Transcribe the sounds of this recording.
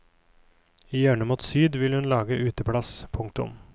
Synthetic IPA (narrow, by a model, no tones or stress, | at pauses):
iːjæːɳəmuːt̪syːd̪ʋɪlhʉnlɑːɡəʔʉːt̪əpʰɽɑspʰʊŋk̚t̪ʊ̰m